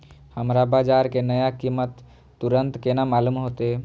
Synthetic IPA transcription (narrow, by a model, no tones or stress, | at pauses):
həmɾabaːd͡ʒaːɾkenəjakimət̪ː | ʊɾənt̪kenamaːlumɦoːt̪e